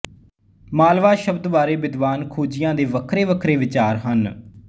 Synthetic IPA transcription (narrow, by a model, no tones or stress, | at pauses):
maːlʋaːʃəbd̪ʋaːɾeːbɪd̪ʋaːnkʰuːd͡ʒɪjãːd̪eːʋəkʰɾeːʋəkʰɾeːʋɪt͡ʃaːɾɦən